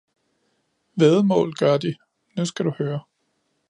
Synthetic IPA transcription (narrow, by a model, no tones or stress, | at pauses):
ʋeðˠmɔ̰̽ːlɡ̥ɶɐd̥i | nusɡ̥æɾuhøːɐ